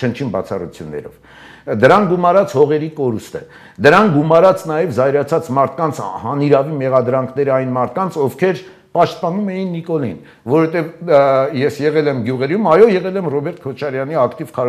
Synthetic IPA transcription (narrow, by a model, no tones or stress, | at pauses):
t͡ʃʰənt͡ʃʰinbɑ̰t͡sʰɑrut͡sʰjṵnːɛ̰ɾɔ̰v | d̪əɾɑŋɡumɑɾɑt͡shɔʁɛɾikɔɾust̪ə | d̪əɾɑŋkɡumɑɾɑt͡snɑjɛvzɑjɾɑt͡sʰɑt͡smɑɾt̪ʰkɑnt͡sʰhɑniɾɑvimɛʁɑd̪ɾɑŋkʰnɛɾəɑjnmɑɾt̪̚ʰkɑnt͡sʰɔfkʰɛɾ | pɑʃt̪̚pɑnumɛjinːikɔlḭn | vɔɾɔhɛt̪ɛvjɛsjɛʁɛlɛmɡjuʁɛɾjumɑjɔjɛʁɛlɛmrɔbɛɾt̪̚kʰɔt͡ʃʰɑɾjɑniɑkt̪ivkʰɑ